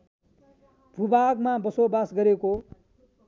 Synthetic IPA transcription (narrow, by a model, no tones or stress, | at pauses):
bʱubaɡmãbəsobasɡʌɾeko